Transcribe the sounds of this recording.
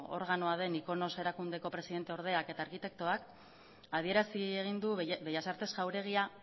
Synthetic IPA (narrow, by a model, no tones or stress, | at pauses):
o̞̰ɾɣano̞að̞e̞niko̞no̞se̞ɾakund̪e̞ko̞pɾe̞siðe̞nt̪e̞o̞ɾð̞e̞ake̞t̪aːɾkit̪e̞k̚t̪oak | að̞ie̞ɾasieɣ̞ind̪ubejasaɾt̪e̞sʝawɾe̞ɣ̞ia